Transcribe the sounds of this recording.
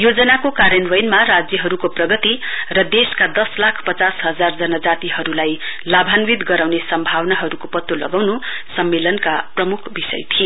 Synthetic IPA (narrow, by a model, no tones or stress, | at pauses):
jod͡zʌnakokaɾjʌnwʌjnmarad͡zjʌɦʌɾukoprʌɡʌt̪irʌd̪eskad̪ʌslakʰpʌt͡sasɦʌd͡zard͡zʌnʌd͡zat̪iɦʌɾulajlabʱanwid̪ɡʌɾawnesʌmbʱawnaɦʌɾukopʌt̪ːolʌɡawnu | sʌmːelʌnkaprʌmukʰbisʌ̰jt̪ʰie